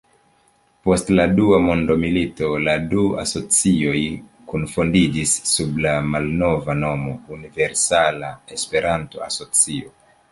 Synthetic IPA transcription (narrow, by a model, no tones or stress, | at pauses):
po̞stladuamo̞ndo̞milito̞ladua̰so̞t͡sio̞jkunfondid͡ʒisːublamalno̞vano̞mo̞unive̞ɾsalae̞spe̞ɾʔanto̞̰a̰so̞t͡sio